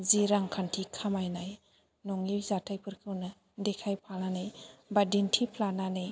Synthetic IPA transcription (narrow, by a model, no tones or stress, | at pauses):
ziɾaŋkʰantʰikʰamajnaj | nɔŋizatʰajpʰɯɾkʰɯwnɯ | dekʰajpʰalnanɯjbadintʰipʰlananɯj